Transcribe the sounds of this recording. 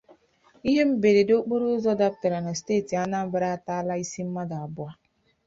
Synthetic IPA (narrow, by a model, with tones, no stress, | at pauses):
i˦ɦe˦m̩˦be˨ɾe˨do˦k͡po˦ɾo˦zɔ˦da˦p̚ta˨ɾa˨na˨steː˦˨ti˨a˦na˦m̩˦ba˦ɾa˦a˦ta˦la˦i˦si˦m̩˦ma˦da˨a˨bʊ˦a˦